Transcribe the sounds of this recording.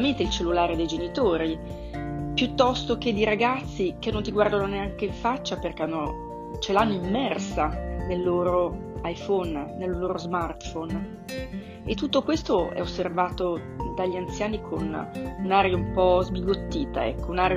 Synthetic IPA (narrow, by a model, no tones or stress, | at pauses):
ament̪eilt͡ʃelːulaːɾed̪ejd͡ʒenit̪oːɾi | pjut̪ːɔst̪ok̟ed̪ːiɾaɡat̪sːik̟enːont̪iɡward̪anoneaŋkeiɱfat͡ʃːaperkeanːo | t͡ʃelanːoimːɛrsanelːoːɾo | ajfɔnːelːoːɾozmart̪fon | ḛt̪ːut̪ːokwest̪oɛ̰osːervaːt̪o | d̪aʎːiant̪sjaːnikʰonunaːɾjaumpɔzbiɡot̪ːiːt̪a̰ɛ̰kːounaːɾj